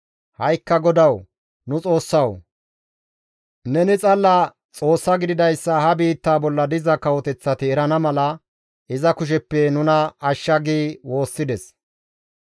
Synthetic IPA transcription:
hɐjkːɐɡɔd̪ɐw | nʊt͡sʼo̞ːsːɐw | nɛnɪt͡sʼɐlːɐ | t͡sʼo̞ːsːɐɡɪd̪ɪd̪ɐjsːɐhɐbiːt̪ːaːbɔlːɐd̪ɪzɐkɐwɔt̪ɛt͡sːɐt̪ɪɛɾɐnɐmɐlɐ | ʔɪzɐkʊʃ̬ɛpːɛnʊnɐɐʃːɐɡiːwo̞ːsːɪd̪ɛs

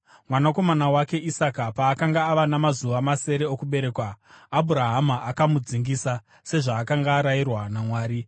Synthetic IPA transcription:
mwanako̞manawake̞ʔisakapaːkaŋɡaːʋanamazuʋamase̞ɾe̞okuɓe̞ɾe̞kwaːbʱuɾaɦamaʔakamud͡ziŋɡiːsa | se̞ʐaːkaŋɡaːɾairwanamwaːɾi

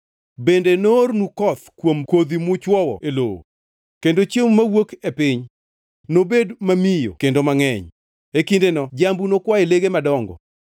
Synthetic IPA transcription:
bendenornukɔt̪kwomkod̪imʊt͡ʃwɔwɔ̰elo̰wo̰ | kendot͡ʃjemmawokepɪɲ | nobedmamijo̰kendomaŋɛɲ | ekindenɔd͡ʒambunokwaeleɡemadɔŋɡɔ̰

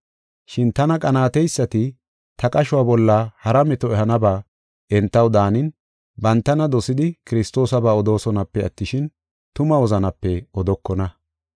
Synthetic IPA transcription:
ʃɪnt̪ɐnɐkʼɐnaːt̪ɛjsːɐt̪ɪ | t̪ʰɐkʼɐʃʊwaːbɔlːɐhɐɾɐmɛt̪ɔɛhɐnɐbaː | ʔɛnt̪ːɐwd̪aːnɪn | bɐnt̪ːɐnɐd̪ɔsɪd̪ɪkɪɾɪst̪o̞ːsɐbaːɔd̪o̞ːsɔnɐpːɛɐt̪ːɪʃɪn | t̪ʊmɐwɔzɐnɐpːɛɔd̪ɔkːɔnɐ

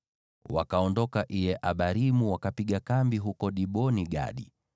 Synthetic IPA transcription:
wa̰kaɔndɔkaʔijɛʔaɓaɾimuwakapiɠakambiɦukɔɗiɓɔniɡa̰ɗḭ

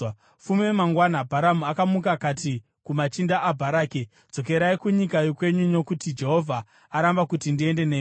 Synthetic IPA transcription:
fumwemaŋɡwanabʱaɾamuakamukakati | kumat͡ʃindaʔːbʱaɾaːke̥ | d͡z̥o̞ke̞ɾaikuɲikajokwe̞ɲuno̞kutid͡ʒe̞ɦo̞vʱa | aɾambakutindie̞nde̞neː

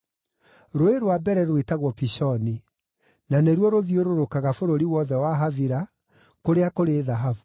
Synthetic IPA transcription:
ɾoeɾowabɛɾɛɾwetaɣwɔpiɕɔni | naneɾwɔɾoðioɾoɾokaɣafoɾoɾiwɔðɛwaɦaviɾa | koɾeakoɾeðaɦavu

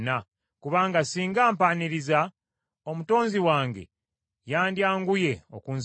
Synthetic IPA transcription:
na | kuβaːŋɡasiːŋɡaːmpaniɾiza | o̞muto̞ːnziwaːŋɡe̞̰ | jaːndjaːŋɡuje̞o̰kuns

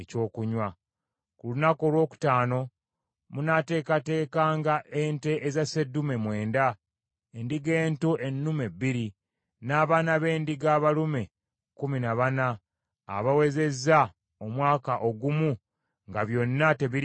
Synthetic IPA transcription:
eco̞ːkuɲwa | kulunako̞lwo̞ːku̥taːno̞ | munate̞ːkate̞ːkaːŋɡaʔe̞ːnte̞ʔezasedːume̞mwe̞ːnda | endiɡe̞ːntuʔe̞nːumebːiɾi | naːβanaβe̞ːndiɡaːβalume̞ | kuminaβana̰ː | βawe̞ze̞zːa | omwaːkaʔo̞ɡumu | ŋɡaβjo̞nːate̞βi

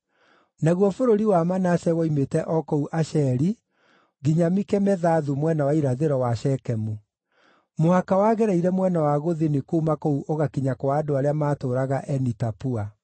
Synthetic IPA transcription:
naɣwɔfoɾoɾiwamanaʃɛwɔimetɛʔɔkɔuʔaʃɛɾi | ɡiɲamikɛmɛðaðumwɛnawaiɾaðeɾɔwaʃɛkɛmu | mohakawaɣɛɾɛiɾɛmwɛnawaɣoðenekoumakouʔoɣakiɲakɔwaːdoaɾeamaːtoːɾaɣaʔɛnitapua

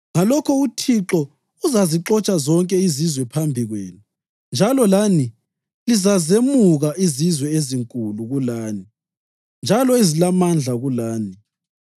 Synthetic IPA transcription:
ŋalɔkʰɔutʰiǁɔ | uzaziǁɔt͡ʃʼazɔŋkʼɛizizwɛpʰambʱiɣwḛːnu | nd͡ʒʱalɔlani | lizazemuɣaʔizizwɛeziŋkʼuluɣulaːni | nd͡ʒʱalɔezilamand͡ɮʱaɣulaːni

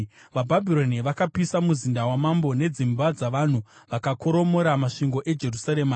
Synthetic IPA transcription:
ʋabʱabʱiɾo̞niʋakapisamuzindawamambo̞ne̞d͡zimbad͡zaʋan̤uʋakako̞ɾo̞mo̞ɾamaʂiŋɡo̞ʔe̞d͡ʒe̞rusaɾeːma

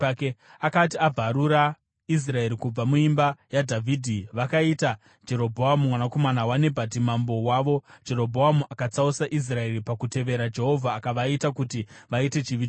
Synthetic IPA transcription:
keakat̬iab͡vʱaɾuɾa | is̬rae̞ɾikub͡vamuimbajadʱavʱiːdʱiʋakaita | d͡ʒe̞ɾo̞bʱoɦamumwanako̞manawanebʱat̬imambo̞waʋo̞d͡ʒe̞ɾo̞bʱoamuʔakat͡sausaʔis̬rae̞ɾipakute̞ʋe̞ɾad͡ʒe̞ɦo̞vʱaːkaʋaitakutiʋaite̞t͡ʃiʋi

